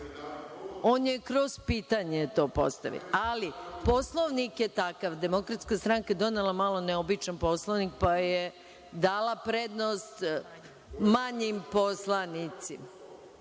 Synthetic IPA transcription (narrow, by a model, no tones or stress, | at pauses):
oːnje̞kɾo̞z̥piːt̪aɲet̪o̞ːpo̰st̪a̰ʋḭalipo̞slˠoʋnikjet̪akaʋd̪e̞mo̞kɾat̪skast̪ɾaŋkaed̪o̞nelamaːlˠo̞neobit͡ʃanpo̞slˠoʋnik̚paje | d̪aːlapɾed̪nost̪ | maɲimposlˠanit̪sima